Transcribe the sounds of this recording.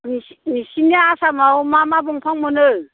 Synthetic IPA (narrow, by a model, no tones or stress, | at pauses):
ninisiniaːsamawmamabɔŋpʰaŋmɯnɯ